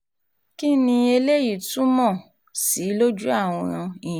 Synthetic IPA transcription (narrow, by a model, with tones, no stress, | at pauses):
ki˦nĩ˧e˧le˦ji˦˨tu˦mɔ̃˦˨ | si˨˦lo˦d͡ʒu˦a˦˨w̃ɔ̃˧ɾ̃ã˧i˦˨